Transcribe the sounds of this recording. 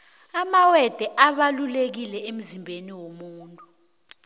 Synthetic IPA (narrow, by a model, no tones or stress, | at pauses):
amawɛd̥ʱɛʔaɓalulek̬ilɛem̩zimbʱeniwomuːntʼu